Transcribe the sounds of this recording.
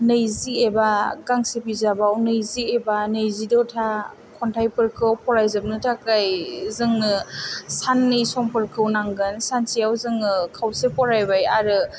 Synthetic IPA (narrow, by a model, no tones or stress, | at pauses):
nɯjziebaɡaŋsepizabawnɯjziebanɯjzidɔtʰa | kʰɔntʰajpɯɾkʰɯwpʰɔɾajzɯp̚nɯtʰakajzɯŋnɯsanːɯjsɔmpɯɾkʰɯwnaŋɡɯnsansijawzɯŋɯkʰawsepʰɔɾajbajaɾɯ